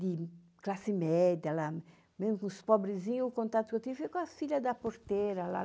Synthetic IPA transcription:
d̪ɪ | klasimɛd̪jala | mezmʊkũspɔbɾɪzĩɲuːkõnt̪at̪ʊukewt̪ivifejkõafiʎad̪apoɾt̪eɾɐla̰

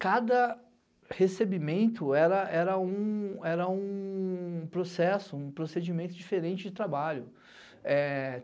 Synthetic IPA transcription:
kad̪ɐ | hesebimẽnt̪ʊɛɾɐʔɛɾɐũɛɾɐũ | pɾosɛsʊũpɾosed͡ʒimẽnt̪ʊd͡ʒifeɾẽnt͡ʃɪd͡ʒɪt̪ɾabaʎʊ | ɛ

